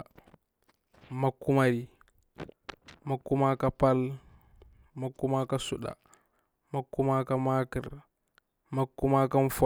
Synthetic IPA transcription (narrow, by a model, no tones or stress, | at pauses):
makːumaɾi | makːumakapal | makːumakasuɗa̰ | makːumakamakiɾ | makːumakamfɔ